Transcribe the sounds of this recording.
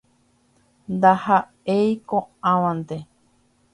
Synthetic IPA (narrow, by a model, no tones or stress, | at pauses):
nd̪aha | eikõãwãnt̪e